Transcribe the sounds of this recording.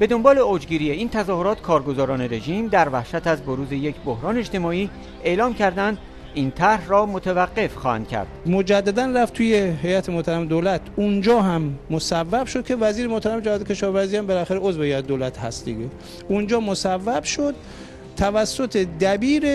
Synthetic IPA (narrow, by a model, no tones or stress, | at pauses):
b̥e̞d̪o̞mbɒːleod͡ʒɡiːɾijeiːnt̪ʰæzɒːhoɾɒːt̪kʰɒːɾɡozɒːɾɒːneɾe̞ʒiːmd̪æɾvæhʃæt̪æzboɾuːze̞jekʰbohɾɒːneet͡ʃt̪e̞mɒːiː | e̞lɒːmcʰæɾd̪ænd̪ | iːnt̪ʰæɾhrɒːmot̪ʰevæɢːe̞fxɒ̰ːhæ̰nd̪̥cʲʰæ̰ɾd̪̥mod͡ʒæd̪ːæd̪ænræft̪ʰuːjeɦe̞jæt̪ʰemoht̪ʰæɾæmed̪oːlæt̪ʰund͡ʒɒːɦæmːosævːæb̥ʃod̪̚kʰe̞væziːɾemoht̪ʰæɾæmed͡ʒæɒːd̪ekʲʰe̞ʃɒːvæɾziːhæmbelæxæɾeozvehejæt̪ed̪oːlæt̪ʰhæ̰st̪d̪iɡe | und͡ʒɒːmosævːæb̥ʃod̪̥̚ | t̪ʰævæsːo̞t̪ʰed̪æbiːɾe